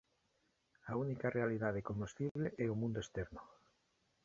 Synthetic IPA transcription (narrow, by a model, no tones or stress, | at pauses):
aunikarʔealiðaðekonust̪iβleʔɛomũnd̪oest̪ɛɾno